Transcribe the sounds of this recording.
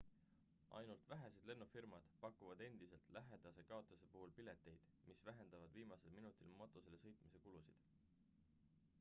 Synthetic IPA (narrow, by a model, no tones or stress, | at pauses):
ʔɑ̰jnult̪væɦæsed̪̥le̞nːufirmɑd̪̥pɑkːˑuvɑd̪e̞nd̪̥ise̞lt̪lʔæɦe̞d̪̥ɑse̞kɑot̪ˑlɑse̞puɦulpile̞t̪ːˑe̞jd̪̥ | misvæɦe̞nd̪̥ɑvɑd̪̥viːmɑse̞lminut̪ˑilmot̪ːˑose̞le̞sɤjt̪ˑmise̞kulusid̪̥